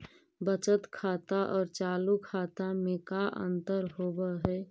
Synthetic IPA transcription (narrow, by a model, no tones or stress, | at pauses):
bət͡ʃət̪kʰaːt̪aʔɔːɾt͡ʃaːlukʰaːt̪amẽkaʔə̰̃nt̪əɾɦoːbəɦɛː